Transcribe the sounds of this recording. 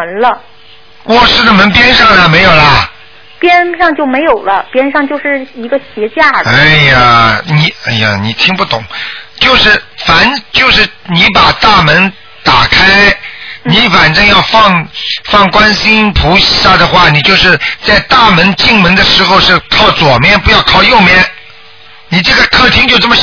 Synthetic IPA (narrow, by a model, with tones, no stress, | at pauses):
ə˧˥nlə˧ | wɔ˨˩ʂɻ̩˥˩d̪ə˩mə˧˥npjɛ˥nʂɑ˥˩ŋd̪ə˨˩me˧˥ɪjo˨˩ʊlɐ˧˩ | pjɛ˥nʂɑ˥˧ŋt͡ɕjo˥˩ʊme˧˥ɪjo˨˩ʊlə˦pjɛ˥nʂɑ˥˧ŋt͡ɕjo˥˧ʊʂɻ̩˥˩i˧˥ɡə˧ɕjɛ˧˥t͡ɕja˥˩a˥ɪa˨˩ni˨˩a˥˩ɪja̰˨˩ni˨˩t̪ʰi˥ŋpu˥˩t̪ʊ˨˩˦ŋt͡ɕjo˥˧ʊʂɻ̩˥˩fa˨˩nt͡ɕjo˥˧ʊʂɻ̩˥˩ni˧˥pa˨˩t̪a˥˩mə˧˥n | t̪a˨˩kʰa˥ɪni˧˥fa˨˩nʈ͡ʂɤ˥ŋjɑ˥˧ʊfɑ˥˧ŋfɑ˥˩ŋkwa˥nɕi˥npʰu˧˥ɕa˥˩d̪ə˩xwa˥˩ni˨˩t͡ɕjo˥˧ʊʂɻ̩˥˧t͡sa˥˧ɪt̪a˥˩mə˧˥nt͡ɕi˥˩ŋmə˧˥ŋd̪ə˧ʂɻ̩˧˥xo˧ʊʂɻ̩˥˧kʰɑ˥˩ʊt͡swɔ˨˩mjɛ˥˩npu˧˥jɑ˥˧ʊkʰɑ˥˧ʊjo˥˧ʊmjɛ˥˩n | ni˨˩ʈ͡ʂɤ˥˩ɡə˩kʰɤ˥˩t̪ʰi˥ŋt͡ɕjo˥ʊʈ͡ʂə˥˩mə˩